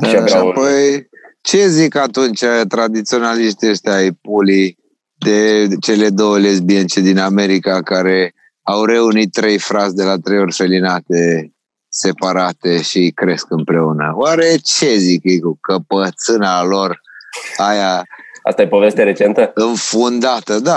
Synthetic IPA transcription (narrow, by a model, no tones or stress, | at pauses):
ʃiaɾapojt͡ʃe̞zikat̪unt͡ʃat̪ɾad̪it̪sio̞naliʃt̪ieʃt̪ajpuli | d̪e̞t͡ʃe̞le̞d̪owlesbient͡ʃed̪iname̞ɾikakaɾe̞ | awɾe̞unit̪ːɾe̞jfɾazʲd̪e̞lat̪ɾejo̞rʲfe̞linat̪e̞ | se̞paɾat̪e̞ʃikɾe̞skɨmpɾe̞unə̰waɾe̞t͡ʃe̞zikejkukəpət̪sɨnalorajaa̰st̪ajepo̞vest̪ʲaɾe̞t͡ʃe̞nt̪əɨnfund̪at̪əd̪a